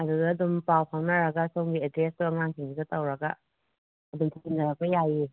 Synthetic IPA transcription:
ɐdudɐːdumpawpʰawnɐɾɐɡɐsowŋɡiedɾestuɐŋaŋkʰiŋizɐtɐwɾɐɡɐ̰ | ɐdumtʰakindɐɾɐk̚pɐjaji

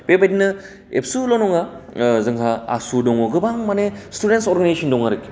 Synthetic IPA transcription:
bebajdinɯ | ḛpsulonɔŋazɯŋɦʰaa̰sudɔŋɔɡɯbaŋmanestudentsoɾɡanasɔndɔŋaɾɯki̥

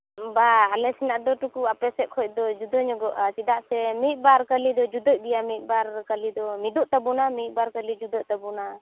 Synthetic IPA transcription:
baːlɛsinaʔd̪ɔʈukuapɛsɛʔ̪̚kʰɔc̚ˀd̪ɔd͡ʒud̪ɔɲɔɡɔʔat͡ʃid̪aʔsɛmit̪̚ˀbaɾkəlid̪ɔd͡ʒud̪ɔc̚d̪ijamit̪̚ˀbaɾkalid̪ɔmid̪ɔʔt̪abunamit̪̚ˀbaɾkəlid͡ʒud̪ɔʔt̪abuna

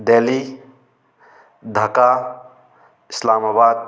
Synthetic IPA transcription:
d̪eːli | d̪ʱɐkaː | ɪslaːmaːbaːd̪̚

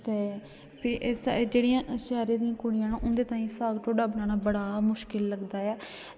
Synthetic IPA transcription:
t̪eː | pʰɪɾʔeːsd͡ʒeːɽijãːʃɛːɾẽːd̪ijãːkʊɽijãːnõːʔʊ̃nd̪eːt̪ãːĩːsaːɡʈʰoːɖaːbənãːnaːbəɽaːmʊʃkɪlːəɡd̪aːɛː

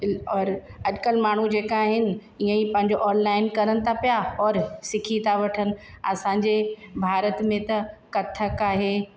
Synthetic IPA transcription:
ɔːɾɐʄkəlmaːɳ̤ud͡ʑeːkaɦɪnɪ̆ | iə̃ipɐ̃ɦɪɲ̆d͡ʑoʔɔːnlaːɪnkɐɾənɪ̆t̪ʰapijaɔːɾsɪkʰit̪ʰaʋɐʈʰənɪ̆ɐsãːɲd͡ʑebʱaːɾət̪mẽt̪ɐkɐt̪ʰəkaːɦeː

